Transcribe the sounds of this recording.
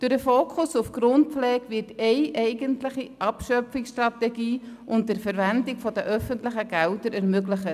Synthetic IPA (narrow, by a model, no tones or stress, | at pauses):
d̥ʊɾdəfoːkʰʊsufɡ̥ɾʊnt̚flɛːkvɪtɛɪʔɛɪɡəntlɪχiʔɑpʃœfɪksʃtrɑtɛɡiːʔʊnt̚dəɾfəɾvændɪɡfɔd̥əʔœfəntləχəɡ̥ældəɾɛɾmøɡləχə